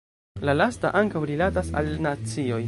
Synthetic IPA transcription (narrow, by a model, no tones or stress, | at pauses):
lalasta̰ʔaŋkawɾilatasa̰lnat͡sio̞j